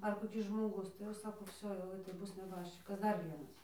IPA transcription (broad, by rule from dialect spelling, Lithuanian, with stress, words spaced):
ɐr koːˈkʲɪs ʒmoːˈɡʊs tɐɪ jɛʊ ˈsɑːkoː ˈʋʲsʲoː jɛʊ tɐɪ ˈbʊs nʲɛˈbɑːʃʲt͡ʃʲɪkɐs ˈdɐr ˈʋʲiɛnɐs